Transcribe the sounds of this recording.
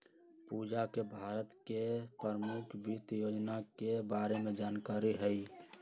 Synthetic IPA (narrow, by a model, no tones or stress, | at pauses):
pud͡ʒakebʱaːɾət̪kepəɾəmukʰbit̪joːd͡ʒnakebaːɾemẽd͡ʒaːnkaːɾiɦəi